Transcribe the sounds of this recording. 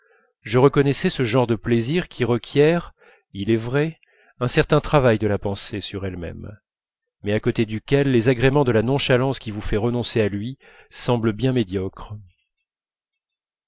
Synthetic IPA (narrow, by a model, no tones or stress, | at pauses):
ʒəʁəkɔnɛsɛsəʒɑ̃ʁd̪əpleziʁkʲʰiʁəkʲjɛʁ | ilɛvʁɛ | ɛ̃sɛʁt̪ɛ̃t̪χavajd̪əlapɑ̃sesyʁɛlmɛ̰mː | ɛakot̪ed̪ykʲɛlːezaɡʁemɑ̃d̪əlanɔ̃ʃalɑ̃skʲivufɛʁənɔ̃sealɥi | sɑ̃bləbjɛ̃med̪jɔkχ